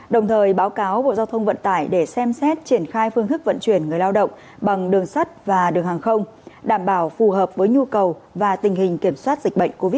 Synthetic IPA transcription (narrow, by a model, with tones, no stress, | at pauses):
ɗə˨˩wŋ͡mt̪ʰəː˨˩jɓaː˨˦wkaː˨˦wɓo̰˧˨zaː˧wt̪ʰə˧wŋ͡mvə̰˧˨nt̪aː˧˩jɗe˧˩sɛ˧msɛ˦˥t̚t͡ɕi˧˩ənxaː˧jfɨ˧əŋt̪ʰk̚və̰˧˨nt͡ɕwi˧˩ənŋɨ˨˩əjlaː˧wɗə̰˧˨wŋ͡m | ɓa˨˩ŋɗɨ˨˩əŋsa˦˥t̚vaː˨˩ɗɨ˨˩əŋhaː˨˩ŋxə˧wŋ͡m | ɗaː˧˩mɓaː˧˩wfu˨˩ɦəː˨˩p̚vəː˨˦jɲu˧kə˨˩wvaː˨˩t̪ï˨˩ŋ̟ɦï˨˩ŋ̟ki˧˩əmswaː˦˥t̚zï˨˩k̟̚ɓə̰˧˨jŋ̟ko˧vi˦˥t̚